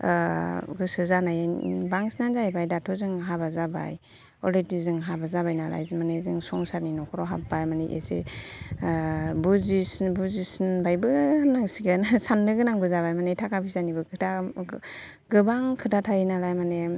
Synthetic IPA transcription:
ɡɯsɯzanajbaŋsnanzajbajdatʰɔzɯŋɦabazaba̰j | ɔledizɯŋɦabazabajnala̰jzmanezɯŋsɔŋsaɾninɔkʰɔɾɔɦap̚bajmaneʔḛsḛ | buzisbuzisnbajbɯnaŋsiɡansanːɯɡɯnaŋbɯzabajmanetʰakabʰizanibɯkʰɯtʰa | ɡɯbaŋkʰɯtatʰajinalajmane

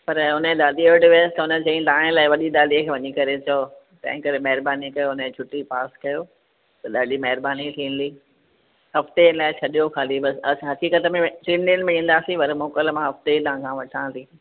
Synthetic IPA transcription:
pɐɾʊnəẽɗ̪aːd̪ioːɖʋist̪ɐʊnəd͡ʑɐ̃ĩlaːɪ̃laːɪʋɐɗid̪aːd̪ikʰeːʋɐɲikɐɾet͡ɕɐo | t̪ɐ̰̃ɦɪ̃kɐɾemɐɦɪɾbaːnikɐjoʊnəẽt͡ɕʰʊʈːipaːskɐjoː | t̪ɐɗaːdimɐɦɪɾbaːnit̪ʰĩːn̆liː | hɐft̪elaːɪt͡ɕʰɐɗijoxaːlibɐsɐsɦɐkiːkət̪əmẽʈɪ̃ɳɖɪnmẽĩːn̆d̪aːsĩʋɐɾmoːkəlmãɦɐft̪et̪ɐɦãkʰãʋɐʈʰãːnt̪iː

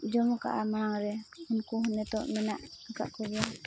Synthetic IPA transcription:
d͡ʒɔmɔka̰ʔamaaŋɾɛunkuɦɔnɛt̪ɔ̰ʔmɛnaʔkaka̰ʔkɔbɛja

